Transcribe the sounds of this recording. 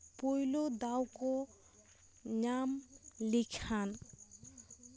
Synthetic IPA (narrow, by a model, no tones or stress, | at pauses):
pojlod̪awko | ɲamlikʰan